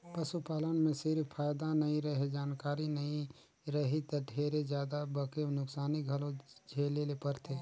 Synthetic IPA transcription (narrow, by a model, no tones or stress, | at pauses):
pəsupaːlənmẽsɪɾpʰaːjd̪anɐɦĩɾəɦed͡ʒaːnkaːɾinɐɦĩ | ɾɐɦit̪ɐʈʰeːɾed͡ʒjaːd̪abəkenʊksaːniɡʱəlõd͡ʒʱeːlelepəɾt̪ʰeː